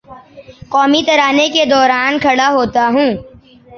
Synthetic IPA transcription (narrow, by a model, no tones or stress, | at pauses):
qɔːmit̪ɐɾaːneked̪ɔːɾaːnkʰɐɽaɦoːt̪aɦũː